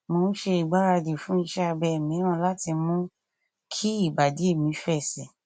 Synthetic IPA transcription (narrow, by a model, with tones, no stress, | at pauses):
mo˧ñ̩˦ʃe˧i˨ɡ͡ba˨˦ɾa˧di˨fũ˨˦i˧ʃɛ˦a˧bɛ˧˨mĩ˨˦w̃ã˧˦la˦ti˧mũ˦ | kʰi˦i˦˨ba˨di˨˦e˦˨mĩ˨˧˦fɛ˦˨sɛ˨